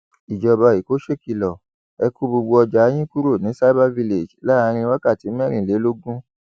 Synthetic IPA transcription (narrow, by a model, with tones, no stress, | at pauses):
i˨d͡ʒɔ˧˨ba˧i˨ko˨˦ʃe˦˨ki˦˨lɔ˨ | ɛ˧ku˦bo˧ɡ͡bo˧ɔ˧d͡ʒa˨˦j̃ĩ˦ku˦ɾo˦˨nĩ˨˦sa˦ba˦vi˦le˨d͡ʒla˦˨˧ɾ̃ĩ˧˦wa˦ka˦˨ti˨˦mɛ̃˦ɾ̃ĩ˨le˨˦lo˦ɡũ˦